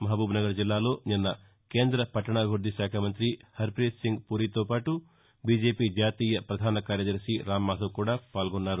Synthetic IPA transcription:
mɐɦbuːbnɐɡɐɾd͡ʒilːaːlo̞ːninːɐ | ke̞ːnd̪ɾɐpɐʈːɐɳaɡʱuɾd̪iʃaːkʰɐmɐnt̪ɾihɐɾpɾeːssiŋɡpuːɾiːt̪oːpaːʈu | biːd͡ʒe̞ːpiːd͡ʒaːt̪iːjɐpɾɐd̪ʱaːnɐkaːɾjɐd̪ɐɾʂiɾaːmːaːsɐkuːɽaːpaːlɡɔnːaːɾu

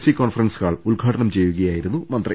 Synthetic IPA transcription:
sikoːnfɐrɐnsɨɣaːɭuɭɡʱaːʈɐɳɐmt͡ɕe̞jːuɣɐjaːjiɾunːumɐnt̪rɐ

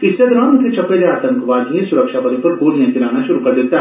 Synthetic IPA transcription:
ɪsed̪ɾãːnʊt̪ʰet͡ʃɐpːeleaːt̪ɐ̃ŋkʋaːd̪ʱiẽsʊɾəkʃapɐd̪ĩpɐɾɡoːlijãkɪɾaːnaʃʊɾukɐɾd̪eːt̪aɦ

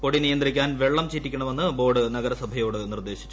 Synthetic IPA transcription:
po̞ɽinijɐnd̪rikʲːaːnʋe̞ɭːɐmt͡ɕiːtːikʲːɐɳɐme̞nːɨbo̞ːɖɨnɐɡɐɾɐsɐbʱɐjo̞ːɽɨnird̪e̞ːɕi̥t͡ɕːu̥

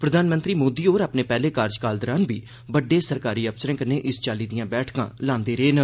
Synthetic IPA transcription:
pɾəd̪ʱaːnmə̃nt̪ɾiːmoːd̪iːoːɾaːpneːpɛːleːkaːɾd͡ʒkaːld̪əɾaːnbiː | bəɖːeːsəɾkaːɾiːəpʰsəɾẽːkəneːʔɪst͡ʃaːliːd̪ɪjãːbɛːʈʰkã̰ːlãːnd̪eːɾeːnə

